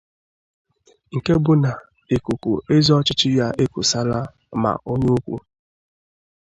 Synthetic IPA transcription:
ŋ̩˨ke˦bʊ˦na˨ | e˨ku˨ku˨ʔe˦zɔ˦t͡ʃɪ˦t͡ʃɪ˦ja˦ʔe˦ku˨sa˦la˦ | ma̰˨ʔo˦ɲu˦u˦kʷṵ˦

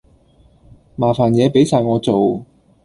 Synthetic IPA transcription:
maː˨˩faː˨˩njɛː˨˧pe˨˥jsʰaː˨˧jŋɔː˨˧t͡so˨w

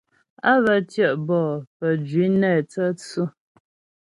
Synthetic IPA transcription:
a˦βə˦tjɛ˦˨ʔbɔː˦˨pə˨d͡ʒɥi˨˦nɛː˦˨t͡sə˦t͡su˦

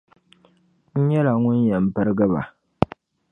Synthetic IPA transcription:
ɲ̩˦jɛ˦la˨ŋʊ˦ɲ˦jɛ˨m̩˦pɐ˦ɾɡa˦ba̰˨

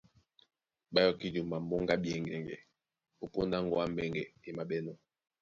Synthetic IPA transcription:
ɓa˦jɔ˦˨ki˦du˨ma˨mɔ˦ŋɡa˦bjɛ˦ŋɡɛ˨ŋɡɛ̰˨ | o˦po˦nda˦ŋɡɔ˦a˦mɛ˦ŋɡɛ˨e˨ma˨ɓɛ˦nɔ˦

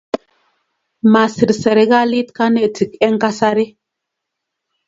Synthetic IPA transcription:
ma˨si˨ɾsɛ˨ɾi˨˦ɡa˦li˦tka˦ne˦˨ti˨kɛ˦ŋka˦sa˦ɾi˦

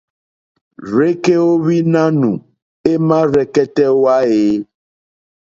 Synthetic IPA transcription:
ɾe˦ke˦wo˦βi˦nã˦nũ˨ | e˦mã˦ɾɛ˨kɛ˦tɛ˦wo˦a˦e˨˦

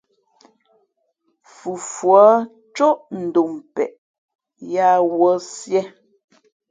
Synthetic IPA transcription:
fu˨fwɔ˨˦ | t͡ʃo˦ʔn̩˨do˨mpɛ̰˨ʔ | ja˦wɔ˨˦sjɛ˦

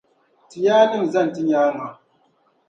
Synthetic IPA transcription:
ti˨jaː˦ni˦m˨za˦˨n˨ti˦ɲaː˦na˨

